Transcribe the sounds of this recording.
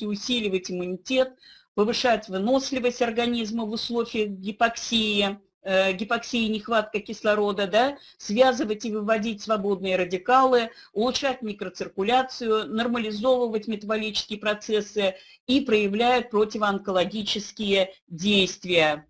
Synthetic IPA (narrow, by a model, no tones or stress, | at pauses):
ɪʊsʲilʲɪvətʲɪmʊnʲɪtʲe̞t̪̚ | pəvɨʂatʲvno̞slʲɪvəsʲtʲɐrɡɐnʲizməvʊslˠo̞vʲɪjəxɡʲɪpɐksʲeɪ | ɡʲɪpɐksʲeɪnʲɪxvat̪̚kəkʲɪslˠɐɾo̞d̪əd̪a | svʲazɨvətʲɪvɨvɐdʲit̚ʲsvɐbo̞d̪̚nɨjəɾədʲɪkalˠɨ | ʊlˠʊʂatʲmʲikɾət̪sɨrkʊlʲat̪sɨjʊnərməlʲɪzo̞vəvətʲmʲɪt̪əbɐlʲit͡ɕɪ̥skʲɪjəpɾɐt̪sɛsːɨ | ipɾəjɪvlʲæjʊt̪̚pɾo̞tʲɪvəɐnkəlˠɐɡʲit͡ɕɪskʲɪjədʲejst̪vʲɪjə